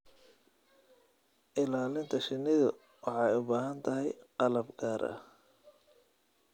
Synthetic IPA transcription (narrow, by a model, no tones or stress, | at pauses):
ʔɪlaːlɪnt̪ʰɐʃɪnːɪðʊ | wɑħɑjʊbaːɦɐnt̪ʰɐɦɛjqɑlɐbɡaːɾɐ̰